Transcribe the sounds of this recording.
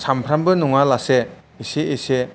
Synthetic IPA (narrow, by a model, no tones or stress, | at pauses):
sampʰɾambɯnuŋalase | eseese